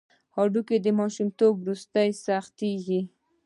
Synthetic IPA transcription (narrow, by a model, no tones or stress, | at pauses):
hɑɖuked̪əmɑʃumt̪obwɾust̪ajsaxt̪eɡi